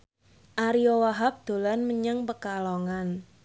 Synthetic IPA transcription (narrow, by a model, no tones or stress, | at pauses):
ʔaɾiɔwaɦap̚d̪̥o̤lanməɲaŋpəkalɔŋan